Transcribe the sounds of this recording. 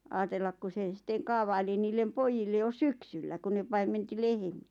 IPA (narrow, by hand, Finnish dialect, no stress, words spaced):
ɑːtelːɑk ku se sitːeŋ̆ kɑːʋɑili niːlːem poijilːe jo syksylːæ ku ne pɑimˑenti lehĕm̥i̥æ̥